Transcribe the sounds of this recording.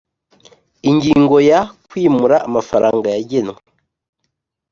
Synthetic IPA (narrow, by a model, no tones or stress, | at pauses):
iɲɟiːŋɡo̞jakwiːmuɾaːmafaɾaːŋɡajaɟe̞nwe